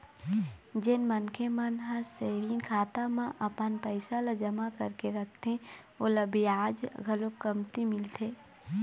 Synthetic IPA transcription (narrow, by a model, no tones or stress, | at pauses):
d͡ʒɪnmənkʰemənɦəseːʋɪ̃ŋkʰaːt̪amãʔɐpənpəɪsalad͡ʒɐmakɐɾkeɾɐkʰt̪ẽ | oːləbiaːd͡ʒɡʱəlokəmt̪imɪlt̪ʰeː